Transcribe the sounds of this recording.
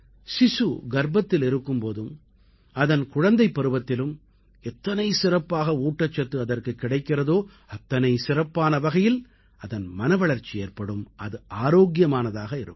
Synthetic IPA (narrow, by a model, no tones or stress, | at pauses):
sɪsuɡɐɾbɐt̪ːɪlɪɾɯkːɯmpoːðɯm | ɐðɐnkʊɻɐnd̪ɐɪpːɐɾɯbɐt̪ːɪlɯm | ɛt̪ːɐnɐɪsɪrɐpːaːɣɐuːʈːɐt͡ʃːɐt̪ːɯɐðɐrkɯkːɪɽɐɪkːɪrɐðoː | ɐt̪ːɐnɐɪsɪrɐpːaːnɐʋɐɣɐjɪl | ɐðɐnmɐnɐʋɐɭɐɾt͡ʃieːrpɐɽɯmɐðɯʔaːɾoːɡjɐmaːnɐðaːɣɐɪɾɯ̰kː